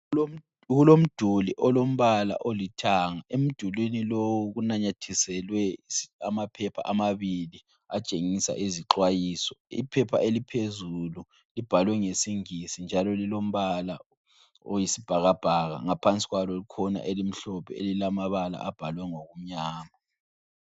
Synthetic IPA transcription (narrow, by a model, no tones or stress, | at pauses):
o | ɣulom̩d̥ʱuliʔɔlom̩βala̰ʔolitʰaːŋaʔem̩d̥ʱulwinilowuɣunaɲatʰisɛlwɛamapʰɛpʰa̰ʔamaβili | at͡ʃʼeŋisa̰ʔiziǃwajiːsɔḭpʰɛpʰa̰ʔelipʰezulu | lib̥ʱalwɛŋesiŋisind͡ʒʱalɔlilom̩βala̰ | o̰jisib̥ʱaɣab̥ʱaɣa̰ŋapʰant͡sʼi̥ɣwalɔlikʰɔna̰ʔelim̩ɬɔpʰɛḛlilamaβala̰ab̥ʱalwɛŋoɣum̩ɲaːma